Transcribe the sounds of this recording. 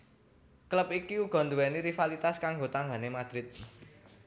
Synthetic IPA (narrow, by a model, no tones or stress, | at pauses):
kləpikiuɡ̥ɔ̤nd̪uwɛniɾifalit̪askaŋɡot̪aŋɡanemad̪̥ɾɪt̪̚